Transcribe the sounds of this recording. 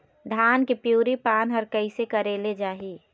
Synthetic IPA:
d̪ʱaːnkipjuːɾipaːnɦɐɾkəɪsekɐɾeːled͡ʒaːɦiː

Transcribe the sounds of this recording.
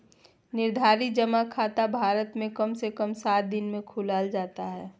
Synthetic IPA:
nɪɾd̪ʱaːɾid͡ʒəmakʰaːt̪abʱaːɾət̪mẽkəmsekəmsaːt̪̚d̪ɪnmẽkʰʊlaːld͡ʒaːt̪aɦɛː

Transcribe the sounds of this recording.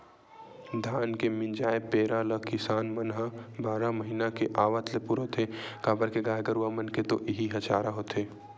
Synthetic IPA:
d̪ʱaːnkemɪ̃nd͡ʒaːepeːɾalɐkɪsaːnmɐnɦəbaːɾaməɦiːnakeʔaːʋət̪lepuɾot̪ʰekaːbəɾkeɡaːjɡəɾuamɐnket̪oʔɪɦiɦɐt͡ʃaːɾaɦot̪ʰeː

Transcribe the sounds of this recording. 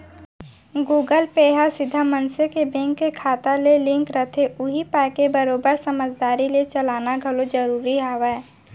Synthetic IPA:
ɡuːɡəlpeːɦasɪd̪ʱːamənsekebɛ̃ŋkːekʰaːt̪alelɪ̃ŋkɾət̪ʰeʔʊɦipɛːkebəɾoːbəɾsəməd͡ʒd̪aːɾilet͡ʃəlaːnaɡʱɐlod͡ʒəɾuːɾiawɛː

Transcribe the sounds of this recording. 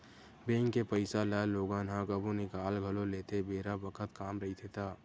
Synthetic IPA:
beːŋkːepəɪsalaːloːɡãnɦãːkəbunɪkaːlɡʱəloleːt̪ebʱeːɾabəkʰət̪kaːmɾɐɦit̪ʰet̪aː

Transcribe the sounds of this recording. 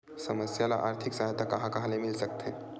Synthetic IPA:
sɐməsjala̰ʔaːɾt̪ʰɪksaːɦt̪akɐɦãkaɦalemɪlsək̚t̪e

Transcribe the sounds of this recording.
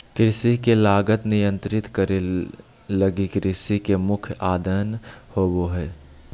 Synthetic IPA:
kɾɪsikelaːɡət̪nɪjə̃nt̪ɾɪt̪kəɾe | ləɡikɾɪsikemʊkʰjaːd̪ənhoːboɦɛː

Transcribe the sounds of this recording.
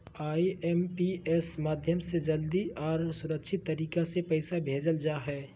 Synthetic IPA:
aːiɛmpiɛsmaːd̪ʱjəmsed͡ʒɐld̪iɔːɾsʊɾəkʃʰɪt̪ːɐɾiːkasepɐɪsabʱeːd͡ʒəld͡ʒaːɦɛː

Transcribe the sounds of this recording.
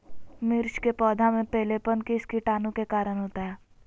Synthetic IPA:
mɪɾʃkepɔːd̪ʱamẽpɛɦlepənkiskiʈaːnũkekaːɾəɽ̃ɦoːt̪aɦɛː

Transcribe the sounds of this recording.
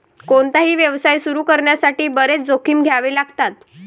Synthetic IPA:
koɳt̪aɦiːʋjəʋsajsuɾuːkəɾɳjasaʈiːbəɾet͡sd͡zokʰiːmɡʱjaʋiːlaɡt̪at̪

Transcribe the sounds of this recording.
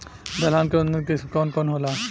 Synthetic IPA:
d̪ɐlaːnkent̪ikɔːnkɔːnɦolaː

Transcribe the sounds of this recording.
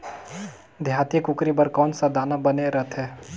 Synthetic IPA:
d̪ʱjaːt̪ikʊkɾibəɾkɔːnsad̪aːnabəneɾət̪ɦɛː

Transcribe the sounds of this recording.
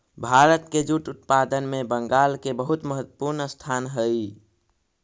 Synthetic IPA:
bʱaɾət̪ked͡ʒuʈut̪̚pad̪ənmebəŋɡalkebəɦut̪məɦət̪ːəpuɾnəst̪ʰanɦəj

